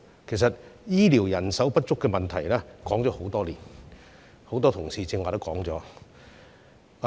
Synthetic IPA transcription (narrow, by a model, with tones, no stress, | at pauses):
kʰe˨˩jsɐ˨t̚jiː˥liː˨˩wjɐ˨˩nsɐ˨˥wpɐ˥t̚t͡ʃʊ˥kːɛ˧mɐ˨nt̪ʰɐ˨˩jlɛː˥kɔː˨˥ŋt͡ʃɔː˨˥ho˨˥wt̪ɔː˥liː˨˩n | ho˨˥wt̪ɔː˥t̪ʰʊ˨˩ŋsiː˧t͡sɪ˧ŋaː˨˧ɾʊ˥kɔː˨˥ŋt͡sɔː˨˥